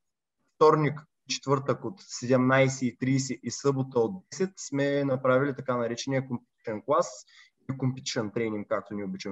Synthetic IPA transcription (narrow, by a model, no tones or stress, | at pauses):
ft̪ɔɾnʲik | t͡ʃɛ̥t̪vɤɾt̪əkot̪sɛd̪ɛmnajsɛit̪ɾiːsɛʔisɤbot̪əod̪d̪ɛsɛt̪smɛnɐpɾavilʲit̪ɐkanɐɾɛt͡ʃɛniɛkompʲu̥t̪ɾɛnklˠas | ikompʲut̪ɾɛnt̪ɾɛniŋk̚ːak̚t̪onʲiobit͡ʃɛm